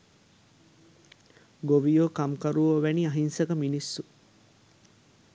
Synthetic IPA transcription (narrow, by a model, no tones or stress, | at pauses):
ɡoʋijoːkɐmkɐɾuʋoʋæniɐɦinsɐɡɐminisːu